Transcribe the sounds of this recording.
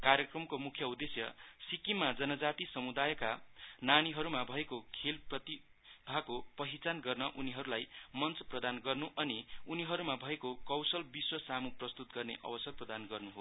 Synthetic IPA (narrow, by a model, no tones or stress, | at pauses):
karjʌkrʌmkomukʰjʌud̪esjʌ̰sikimːad͡zʌnʌd͡zat̪isʌmud̪ajkananiɦʌɾumabʱʌekokʰelprʌt̪i | bʱakopʌɦit͡sanɡʌrnʌʔuniɦʌɾulajmʌnt͡sʌ̥prʌd̪anɡʌrnuʔʌniuniɦʌɾumabʱʌekokʌwsʌlbiswʌsamuprʌst̪ut̪̚ɡʌrnḛʔʌ̰bʌsʌrprʌd̪anɡʌrnuɦo